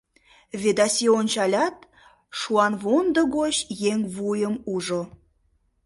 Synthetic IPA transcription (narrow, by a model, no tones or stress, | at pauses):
βed̪ɑsʲionʲt͡ɕɑlʲɑt̪ | ʃuɑnβond̪oɡoɕjeŋβujəmuʒo